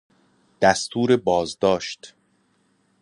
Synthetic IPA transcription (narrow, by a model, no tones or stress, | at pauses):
d̪̥æst̪ʰuːɾebɒːzd̪ɒːʃt̪